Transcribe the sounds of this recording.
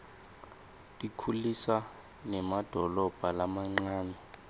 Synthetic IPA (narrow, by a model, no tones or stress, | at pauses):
tʼikʰulisa | nɛmad̥ʱɔlɔb̥ʱalamaŋ͡ǀaːnɛ